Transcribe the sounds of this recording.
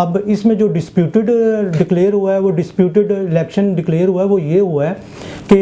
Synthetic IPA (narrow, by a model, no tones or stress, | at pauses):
ɐbɪsmẽd͡ʒoːɖɪspjuːʈɪɖɖɪkleːəɾɦuaɛʋoɖɪspjuːʈɪɖɪlɛːkʃənɖɪkleːəɾɦuaɦɛʋojeɦuaɦɛ | ke